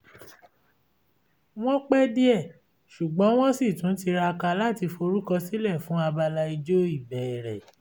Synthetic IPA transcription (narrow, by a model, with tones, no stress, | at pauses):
w̃ɔ̃˦k͡pɛ˦di˦ɛ˦˨ | ʃu˨ɡ͡bɔ̃˨˦w̃ɔ̃˦si˦˨tũ˨˦ti˧ɾa˧ka˧la˦˨ti˧fo˧ɾu˦kɔ˧si˦lɛ˦˨fũ˨˦a˧ba˧la˧i˧d͡ʒo˦i˦˨bɛ˨ɛ˨ɾɛ˨